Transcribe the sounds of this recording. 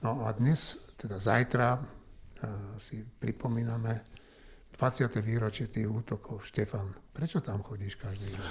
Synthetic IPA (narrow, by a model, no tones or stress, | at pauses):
nɔad̪ɲɛst̪ɛd̪azajt̪ɾa | sipɾipɔmiːnamɛ | d̪̥ʋat͡sɪat̪ɛʋiːɾɔt͡ʃɪɛt̪iːɣuːt̪ɔkʰɔʊʃcɛfanpɾɛt͡ʃɔt̪amxɔɟiːʃkaʒd̪iː